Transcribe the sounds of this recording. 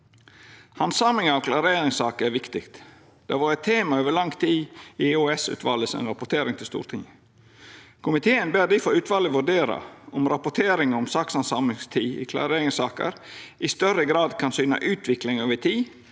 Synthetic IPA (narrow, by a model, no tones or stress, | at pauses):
hɑnsɑmlɪŋɑʋkʰlɑɾeːɾɪŋsɑːkəæɾʋɪkt̪ɪkt̪ | d̪̥ɛʋʊɾɛt̪ʰːeːmɑøːʋəɭɑŋt̪ʰiːɪoːɛsʉ̰ːt̪ʋɑ̰ːləsɛ̰nɾɑpʊʈ̪ʰeːɾɪŋt̪ʰɪlst̪ṵːɾt̪ʰɪŋ | kʰʊmɪt̪ʰeːənbeːd̪ifɔɾʉːt̪ʰʋɑːləʋʉɖeːɾɑ̰ɔmɾɑpʊʈ̪ʰeːɾɪŋəɔmsɑksɑnsɑmɪŋst̪ʰiːɪ̰kʰlɑ̰ɾeːɾɪŋsɑːkə̰ɾʔɪst̪œrəɡɾɑːd̪kʰɑnsyːnɑ̰ʔʉːt̪ʰʋɪklɪŋøːʋət̪ʰiː